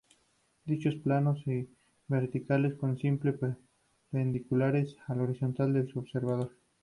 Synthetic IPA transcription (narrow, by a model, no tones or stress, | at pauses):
d̪it͡ʃo̞splano̞si | βe̞ɾt̪ikale̞sko̞nsimple̞ | pe̞nd̪ikulaɾe̞salo̞ɾiso̞nt̪ald̪e̞lsuoβse̞ɾβað̞o̞ɾ